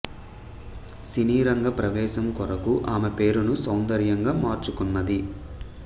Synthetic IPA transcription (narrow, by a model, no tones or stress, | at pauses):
siniːɾɐŋɡɐpɾɐʋɛːʃɐmkɔɾɐkuʔaːmepe̞ːɾunusɐwnd̪ɐɾjɐŋɡaːmaːɾt͡ʃukunːɐd̪i